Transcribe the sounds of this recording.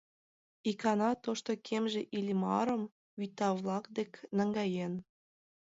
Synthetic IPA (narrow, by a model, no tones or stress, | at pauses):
ikɑnɑt̪oʃt̪okʰemʒeʔilʲmɑ̰ɾə̆m | βyt̪ɑβlɑkd̪eknəŋɡɑjen